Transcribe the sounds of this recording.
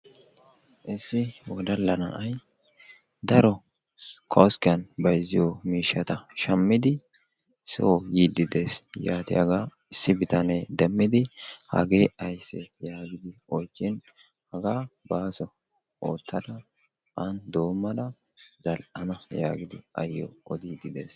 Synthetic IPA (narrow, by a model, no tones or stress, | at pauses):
ʔɪsːɪwɔd̪ɐlːɐnɐ̰ʔɐj | d̪ɐɾɔ | kʰɔskɪjɐnbɐjzːɪjomiːʃːɐt̪ɐʃɐmːɪd̪ɪ | soːjiːd̪ːɪd̪e̞ːsjaːt̪ɪɐɡaː | ɪsːɪbɪt̪ɐneːd̪ɛmːɪd̪ɪhɐ̰ɡe̞ːɐjsːɛjaːɡɪd̪ɪɔjt͡ʃːɪn | hɐɡaːbaːsɔ | ʔoːt̪ʰːɐd̪ɐ | ʔɐnd̪o̞ːmːɐlɐ | zɐlʔɐnɐja̰ːɡɪd̪ɪ̰ɐ̰jːɔ̰ɔd̪iːd̪ɪd̪ḛːs